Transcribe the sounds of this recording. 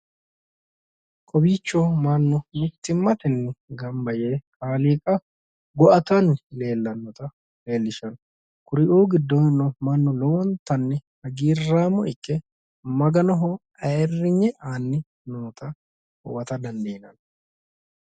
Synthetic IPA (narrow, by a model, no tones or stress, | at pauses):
kʼɔbiːt͡ʃːomɐnːʊmɪt̪ːɪmːɐt̪ɛnːɛɡɐmbɐjeːkʼaːliːkʼɐ | ɡɔʔɐt̪ɐnːɪle̞ːlːɐnːɔt̪ɐ | le̞ːlːɪʃɐn | kʊɾɪʔoːɡɪd̪ːɔnːɔmɐnːɔlɔwɔnt̪ːɐnːɪhɐɡiːrːaːmɔɪkːɛ | mɐɡɐnɔɦɔ | ɐɛrːɪɲːɛʔaːnːɪ | noːt̪ʰɐ | hɔwɐt̪ɐd̪ɐnd̪eːnɐn